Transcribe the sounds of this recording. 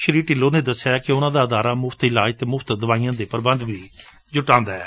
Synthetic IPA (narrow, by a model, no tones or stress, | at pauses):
ʃɾiːʈɪloːneːd̪əsːjaːkɪʊnãːd̪aːəd̪aːɾaːmʊfʰt̪ɪlaːd͡ʒt̪eːmʊfʰt̪d̪əʋaːiːãːd̪eːpəɾbənd̪ʋiː | d͡ʒʊʈãːnd̪aːɛ̰ː